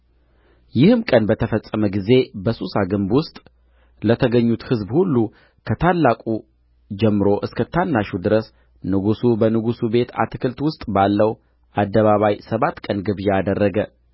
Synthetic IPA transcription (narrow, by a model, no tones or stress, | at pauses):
jɪhɨmkʼənbət̪ʰəfəsʼːəməɡize̞bəsusaɡɨmbwʊst̪ʼ | lət̪ʰəɡəɲːut̪hɨzbhulːu | kʰət̪ʰalːakʼu | d͡ʒɛmːɨɾo̞ʔɨskʰət̪ʰanːaʃud̪ɨɾəs | nɨɡusubənɨɡusube̞t̪ʰa̰t̪ɨkʰɨlt̪wʊst̪ʼbalːəw | ʔad̪ːəβaβajsəβat̪ːkʼənɡɨβjad̪ərːəɡə